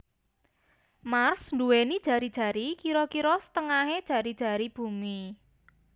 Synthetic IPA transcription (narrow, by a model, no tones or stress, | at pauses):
marsnd̪uwenid̥ʒ̥a̤ɾid̥ʒ̥ä̤ɾikiɾɔkiɾɔsə̥t̪əŋaɦed̥ʒ̥ä̤ɾid̥ʒ̥ä̤ɾib̥ṳmi